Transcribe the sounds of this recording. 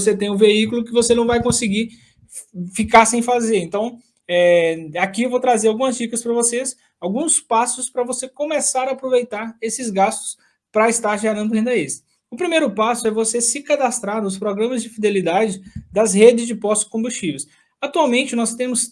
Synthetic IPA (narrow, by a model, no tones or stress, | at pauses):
oset̪ẽj̃ũveikʊlʊkɪvosenɐ̃w̃vajkõsɪɡi | fikaɾsẽj̃fazeɾẽnt̪ɐ̃w̃ | ɛakiewvowt̪ɾazeɾawɡũmɐzd͡ʒikɐspɾɐvoses | awɡũspasʊspɾɐvosekõmesaɾɐːpɾovejt̪aɾesɪzɡast̪ʊ̥s | pɾɐɪst̪aɾʒɛɾɐ̃nd̪ʊɦẽnd̪ɐesɪ̥ | ʊpɾimejɾʊpasʊɛvosesɪkad̪ast̪ɾaɾnʊspɾɔɡɾɐ̃mɐzd͡ʒɪfid̪elid̪ad͡ʒɪd̪ɐzhed͡ʒɪzd͡ʒɪpɔst͡ʃɪ̥skõmbust͡ʃives | at̪uawmẽnt͡ʃɪnɔst̪ẽmʊs